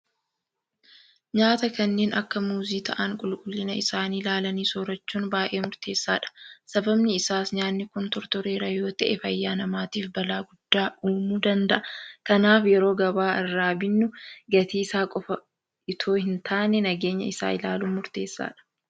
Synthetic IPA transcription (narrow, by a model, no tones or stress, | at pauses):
ɲaːt̪ɐkɐnːeːnʔɐkːɐmuːziːt̪ʰɐ̰ʔɐŋkʼʊlkʼʊlːɪnɐɪsaːniːlaːlɐniːsoːɾɐt͡ʃːuːnbaːʔe̞ːmʊɾt̪e̞ːsːa̰ːᶑɐ̥sɐbɐbnɪːsaːsɲaːnːɪkʊnt̪ɔɾt̪ɔɾeːɾɐjo̞ːt̪ɐʔɛfɐjːaːnɐmaːt̪iːfbɐlaːɡʊd̪̥ːaːʔuːmuːd̪ɐnd̪ɐʔɐkɐnaːfjɛɾo̞ːɡɐbaːɪrːaːbɪnːʊɡɐt̪iːsaːkʼɔfɐ | ɪt̪ʰo̞ːhɪnt̪ʰaːnɛnɐɡeːɲːɐ̰ɪsa̰ːɪlaːluːmʊɾt̪e̞ːsːa̰ːᶑɐ̥